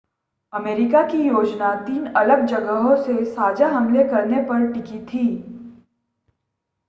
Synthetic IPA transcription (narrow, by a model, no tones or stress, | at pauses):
ɐmeːɾɪkakijoːd͡ʒnat̪iːnɐləɡ̚d͡ʒɐɡəɦõsesaːd͡ʒaɦɐmlekɐɾnepɐɾʈɪkit̪ʰiː